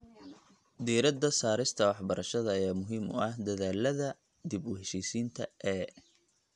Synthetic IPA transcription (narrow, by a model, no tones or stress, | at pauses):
d̪iːɾɐd̪ɐsaːɾɪst̪ʰɐwɑħbɐɾɐʃɐðɐːjaːmʊɦiːmʊ̰ʔɐhd̪ɐðaːlɐðɐ | d̪ibʊɦɛʃiːsiːnt̪ʰɐʔɛː